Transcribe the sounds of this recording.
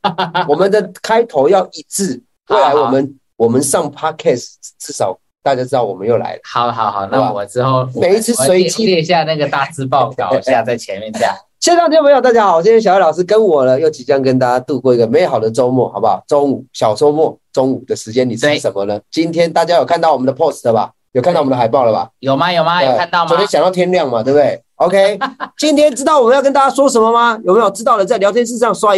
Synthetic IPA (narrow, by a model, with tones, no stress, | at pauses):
wɔ˨˩mə˨˦nd̪ə˨kʰa˥ɪt̪ʰo˧ʊjɑ˥˧ʊʔi˧˩t͡sɹ̩˥˩ | we˥˩ɪla˧˦wɔ˨˩mə˦n | wɔ˨˩mə˦nʂɑ˥˩ŋpʰa˥kʰɛ˥˩sʈ͡ʂɻ̩˥˩ʂɑ˨˩ʊ | t̪a˥˧˩t͡ɕja˥ʈ͡ʂɻ̩˥t̪ɑ˥˩ʊwɔ˨˩mə˦njo˥˩ʊla̰˧˦ɪlə˦ɑ˨˦ʊɑ˨˩˦xɑ˨˩ʊna˥˧˨ɔ˨˩ʈ͡ʂɻ̩˥xo˥˩ʊme˨˩ɪi˥t͡sʰɹ̩˥swe˧˥ɪt͡ɕʰi˥˧ɕja˥˧na˥˩ɡə˩t̪a˥˨t͡sɹ̩˥pɑ˥˩ʊkɑ˨˩ɕja˥˧t͡sa˥˩ɪt͡ɕʰjɛ˨˦nmjɛ˥˧nɕja˥˩ | ɕjɛ˥˧nt͡sni˨˥˩me˧˥jo˨˩t̪a˥˩t͡ɕja˥xɑ˨˩ʊ˩t͡ɕi˥nʰjɕɑ˧˦jlɑ˨ʊʂɻ̩˥kə˦nwɔ˨˩lə˦jo˥˩ʊt͡ɕi˨˩t͡ɕjɑ˥˧ŋkə˦nt̪̬a˥˩t͡ɕja˥t̪u˥˧kɔ˥˩i˧˥ɡə˨me˧˥˧xɑ˨˩ʊd̪ə˨ʈ͡ʂo˥ʊmwɔ̰˥˩xɑ˨˩ʊba˨˧ʈ͡ʂo˥ŋu˨˩ɕjɑ˨˩ʊʂɔ˥mwɔ˥˩ʈ͡ʂo˦˥ŋu˨˩d̪ə˩ʂɻ̩˧˥t͡ɕjɛ˥˦nːi˨˩t͡sʂə˧˦nmə˧nə˨t͡ɕi˦˥nt̪ʰjɛ˥nt̪a˥˩t͡ɕja˦˥jo˨˩ʊkʰa˥˧nt̪ɑ˥˩ʊwɔ˨˩ə˦nd̪ə˩pʰo˥˩slə˩ba̰˨˩ | jkʰa˥˧t̪wdə˨a˨˩ɪpɑ˥˩ʊlə˨˩ba̰˨˩jo˨˩ʊma˦jo˨˩ʊma˧˥˩a˥˧nt̪ɑ˥˧ʊt͡ɕo˧˦jɕjŋjɑ˥˩t̪ʰjɛ˥nljɑ˥˩ŋma˨˩t̪we˥˧bd̪e˥˩ɪ | o˥ʊkʰe˥ɪt͡ɕi˦nt̪ʰjɛ˥nʈ͡ʂɻ̩˥t̪ɑ˥˩wɔ˨˩mə˦jkə˥nt̪a˥˩t͡ɕja˥ʂwɔ˥ʂ̬ə˧˦nmə˧ma˧jo˨˩me˧˥jo˨˩ʈ͡ʂɻ̩˥t̪ɑ˥˩ʊd̪ə˩t͡sa˥˩ɪljɑ˧ʊt̪ʰjɛ˥nʂ̬̩˥˧ʂɑ˥˩ŋswa˥